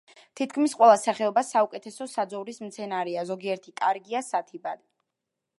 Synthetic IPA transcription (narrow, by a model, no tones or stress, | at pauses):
t̪ʰit̪̚ʰkʰmisqʼwɛlˠasaχɛɔbasaukʼɛt̪ʰɛsɔsad̪zɔvɾismt̪sʰɛnaɾɛazɔɡiɛɾt̪ʰikʼaɾɡiasat̪ʰibad̪i